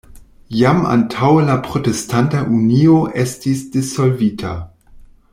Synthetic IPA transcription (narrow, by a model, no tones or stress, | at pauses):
jama̰ntʰawlapɾo̞testʰantaʔunio̞ʔestisd̥iso̞lvitʰa̰